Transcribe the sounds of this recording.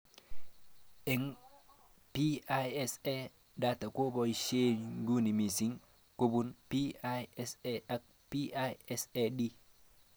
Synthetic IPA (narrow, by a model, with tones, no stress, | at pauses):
ɛ˨ŋ | pi˦a˦jɛ˦se˦ | da˨ta˨ko˦bɔ˨i˨ʃe˦ɲɡu˦ni˨mi˨si˦ŋ | ko˦bu˦npi˦a˦jɛ˦sea˦k̚ | pi˦a˦jɛ˦se˦di˦